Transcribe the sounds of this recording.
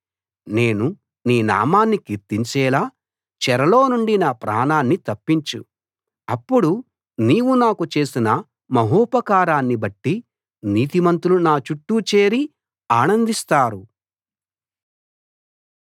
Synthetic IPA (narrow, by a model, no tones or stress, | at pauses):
ne̞ːnu | niːna̰ːmaːnːikiɾt̪iɲt͡ʃɛːlaː | t͡ʃɛɾɐlo̞ːnuɳɖinaːpɾa̰ːnaːnːit̪ɐpːiɲt͡ʃu | ɐpːuɽu | niːwunaːkut͡ʃe̞ːsinɐ | mɐɦuːpɐkaːɾaːnːibɐʈːi | niːt̪imɐnt̪ulunaːt͡ʃuʈːut͡ʃe̞ːɾi | aːnɐnd̪ist̪aːɾu